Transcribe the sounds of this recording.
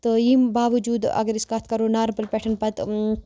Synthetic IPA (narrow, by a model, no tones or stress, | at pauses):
t̪ojiːmbaːʋɐd͡ʒuːd̪ɐ̰ɡɐɾiskaːt̪ʰkɐɾoːnaːɾbɐlpɛːʈʰɐnpɐt̪